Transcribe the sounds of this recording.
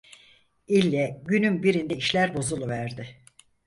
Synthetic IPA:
ilʲːɛɟynynbiɾind̪ɛiʃlʲæɾbo̞zulˠuvæɾd̪ɪ

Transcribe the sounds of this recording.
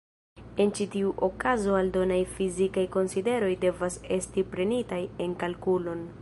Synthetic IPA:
e̞nt͡ʃitiuʔo̞kazo̞aldo̞najfizikajko̞nside̞ɾo̞jde̞vase̞stipɾe̞nitaje̞nkalkulo̞n

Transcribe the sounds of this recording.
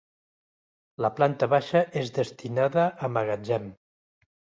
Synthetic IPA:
ləplant̪əβaʃəʔezðəst̪inaðəʔːməɣad͡ʒɛm

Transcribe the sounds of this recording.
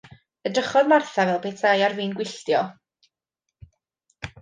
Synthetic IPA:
ədəχɔðmarθavɛlˠpʰeːtʰajarviːnɡwɪɬtjɔ

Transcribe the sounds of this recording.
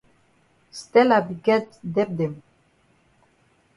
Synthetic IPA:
st̪ɛlabiɡɛt̪d̪ɛp̚d̪em

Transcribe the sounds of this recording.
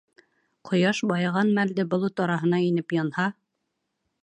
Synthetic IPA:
qʰŏjɑʃbɑjʁɑnmæld̪ɘbŏlˠɤt̪ɑɾɑɦɤ̆n̪ɑinɘpjɑnhɑ

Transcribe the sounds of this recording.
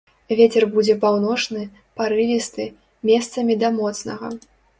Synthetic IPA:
vʲet͡sʲɛrbud͡zʲɛpawnɔʂnɨ | paɾɨvʲist̪ɨ | mʲɛst̪sɐmʲid̪ɐmɔt̪snɐɣɐ̰

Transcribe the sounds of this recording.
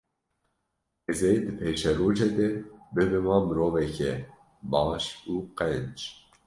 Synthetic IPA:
ɛzɛd̪ɨpʰeːʃɛɾoːd͡ʒɛd̪ɛbɨbɛmɑːmɨɾoːvɛkɛ | bɑːʃuːqɛnd͡ʒ

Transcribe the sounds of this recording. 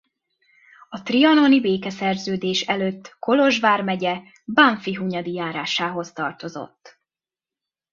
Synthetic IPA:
ɒt̪riɒno̞nibeːkɛsɛrzøːd̪eːʃɛløːt̪ːko̞lo̞ʒʋaːrmɛɟɛ | baɱfiɦuɲɒd̪ijaːɾaːʃaːɦo̞st̪ɒrt̪o̞zo̞̰t̪ː

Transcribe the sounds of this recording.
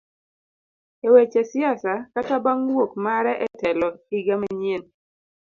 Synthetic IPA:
ewet͡ʃɛsɪasakatabaŋwokmaɾɛʔɛtɛlɔiɡamaɲen

